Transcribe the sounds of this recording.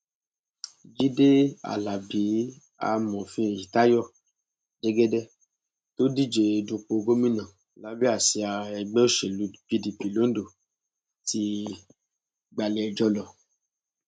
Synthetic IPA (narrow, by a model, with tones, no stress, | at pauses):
d͡ʒi˦de˦a̰˨la˨bi˨˦ | a̰˧mɔ̃˨fĩ˧˦e˨ji˨ta˦jɔ˦˨ | de˦ɡɛ˦dɛ˦ | to˦di˦˨d͡ʒe˧˨du˧k͡po˧ɡo˦mĩ˦nã˨ | la˨˦bi˦a˦˨si˧a˧ɛ˧ɡ͡bɛ˦o˦ʃe˨lu˨˦pi˧di˧pi˨lo˨˦n̩˦do˨ | ti˧ | ɡ͡ba˧le˧ɛ˧˨d͡ʒɔ˧lɔ˨